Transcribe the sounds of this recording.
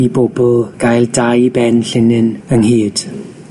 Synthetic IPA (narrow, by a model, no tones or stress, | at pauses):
ibobɔlˠɡ̥ajlˠdajbɛnɬɪnɨnəŋhiːd̥